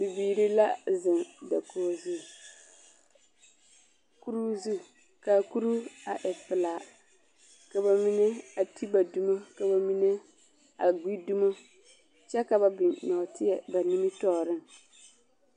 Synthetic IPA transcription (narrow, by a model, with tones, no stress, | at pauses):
bɪ˨biː˨ɾi˦la˦zɪ˨ŋda˨koː˨zu˦ | ku˦ɾu˦zu˦ | ka˨ku˦ɾu˦a˨ʔɛ˨pɪ˨la˨ | ka˨ba˨mi˦ne˦a˨ti˦ba˨du˦ma˦ka˨ba˨mi˦ne˦ | a˨ɡʷi˦du˦ma˦ | t͡ʃɛ˦ka˨ba˨bɪ˨nɔ˨tɪ˦jɛ˨ba˨ni˦mi˦tɔː˦˨ɾɪ˦ŋ